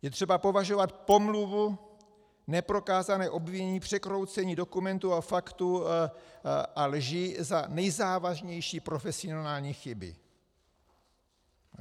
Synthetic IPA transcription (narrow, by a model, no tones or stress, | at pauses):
jɛt̪r̥ɛbapo̞vaʒo̞vat̪̚po̞mluvu | nɛpɾo̞kaːzanɛːʔo̞bviɲɛɲiːpr̝̥ɛkɾo̞wt͡sɛɲiːdo̞kumɛnt̪uafakt̪u | ʔalʒɪzanɛjzaːvaʒɲɛjʃiːpɾo̞fɛsɪonaːlɲiːxɪbɪ̰